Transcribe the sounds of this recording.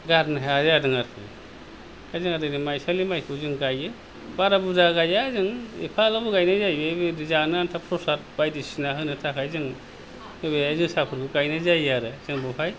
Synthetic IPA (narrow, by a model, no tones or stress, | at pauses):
ɡatnaɦeazadɯŋaɾkʰɯ̰ | kajzɯŋadɯnimajsalimajkʰɯzɯŋɡajɯ | baɾabuzaɡajazɯŋḭpʰalabuɡajnazajbɯbedizanɯantʰapʰɾɔsat̚bajdisinaɦɯnɯtʰakʰajzɯŋ | ebeazɯsapʰɯɾbuɡajnɯzajaɾɯzɯŋbɯpʰaj